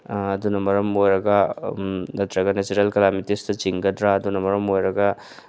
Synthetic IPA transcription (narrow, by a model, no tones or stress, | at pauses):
ɐd̪unɐmɐɾɐmojɾɐɡa | ɐt̪ɾɐɡanet͡ʃuɾɐlkɐlamitist̪ɐt͡ʃiŋɡɐtɾaɐd̪unɐmɐɾɐmojɾɐɡa